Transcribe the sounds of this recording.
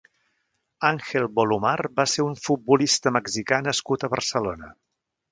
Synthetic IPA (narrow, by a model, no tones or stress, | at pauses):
aŋxelˠbolumarbaseɾuɱfut̪̚bulist̪əməɡzikanəskut̪əβərsəlonə